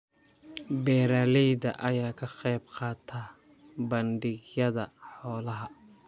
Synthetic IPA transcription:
bɛːɾaːlɛjdɐ̰ʔɐjaːkʰɐqɛjbqɑːt̪ʰaː | bɐnɖɪɡjɐðɐħɔːlɐɦɐ

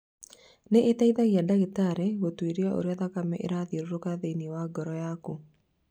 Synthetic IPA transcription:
neʔetaiðaɣiadaɣetaɾeɣotwiɾjaʔo̰ɾjaðakamɛ̰ʔḛɾaðioɾoɾokaðeniwaɡɔɾɔjaku

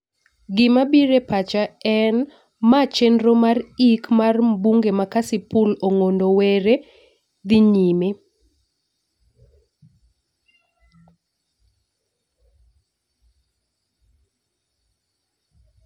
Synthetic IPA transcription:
ɡɪmabiɾepat͡ʃaɛn | mat͡ʃendɾomarikmarbuŋɡemakasipuloŋondoweɾe | d̪ɪɲime

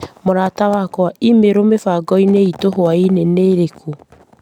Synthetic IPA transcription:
moɾaːtawakwaimeɾomefaːɡɔineitoɦoaineneːɾekʰo

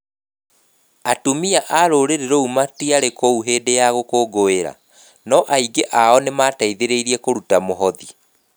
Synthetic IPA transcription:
atumiaʔaɾoːɾeɾeɾoumatiaɾekouɦeːdejaɣokoːɡoeɾa̰ | nɔʔaiɡeʔaɔnemaːtaiðeɾeiɾiɛkoɾutamoɦɔði

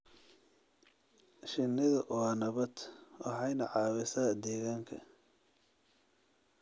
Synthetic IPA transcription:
ʃɪnːɪðɐʔɔnɐβɐd̪wɑħɑjnɐʕɑːwɪsaːd̪ɛːɣaːŋkʰɐ̰

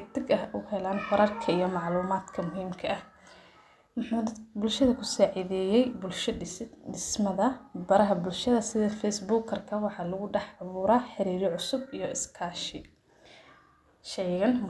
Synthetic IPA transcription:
t̪ʰɪɡɐɦʔuhɛlaːnfɐɾɐrkʰɐijɞmɑʕluːmaːd̪kʰɐmʊɦiːmkʰɐʔɐh | mʊħuːbʊlʃɐðɐkʰʊsɔːʕɪðɛːjɛjbʊlʃɖɪsmɐðɐbɐɾɐɦɐbʊlʃɐðɐsɪðɐfɛsbuːkʰɐrkʰɐwɑħɑːlɐɣʊɖɛħʕɑβuːɾaːħɪɾiːɾɪʕʊsʊbijɞɪskʰaːʃɪ | ʃɛjɣɐn

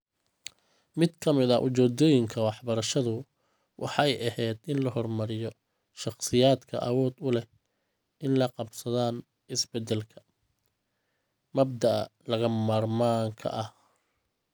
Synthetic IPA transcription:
mɪd̪kʰɐmɪðɐʔʊt͡ʃɛːd̪ɔːjɪŋkʰɐwɑħbɐɾɐʃɐðʊ | wʔɑ̰ħɑjʔɐhɛjd̪ɪnlɐhɔrmɐɾɪjɔ | ʃɑχsɪjaːd̪kʰɐ̰ʔɐwɔːd̪ʊlɛ | ʔɪnlɐqɑbsɐðaːn | ɪsbɛd̪ɛlkʰɐ̥ | mɐbd̪ɐɐ̰lɐɣɐmaːrmaːŋkʰɐ̰ʔɐh

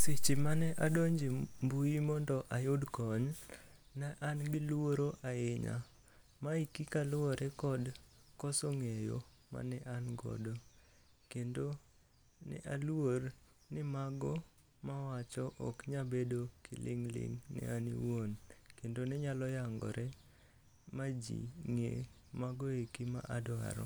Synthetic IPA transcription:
sɪt͡ʃimanɛʔadoɲd͡ʒembuimɔndɔʔajʊdkɔɲ | naʔanɡɪlwoɾoʔaɪɲa̰ | maikikalʊɔɾɛkɔdkɔsoŋejo̰ | ma̰nɛʔanɡɔ̰dɔ | kendo | nɛ̰ʔalwor | nɪmaɡɔ | mawat͡ʃɔʔɔkɲabedokʰɪ̰lɪ̰ŋlɪ̰ŋnɛ̰anḭwonkendonɛɲalɔjaŋɡɔ̰ɾʔɛ | mad͡ʒḭŋḛ | maɡɔekima̰ʔadwa̰ɾɔ̰

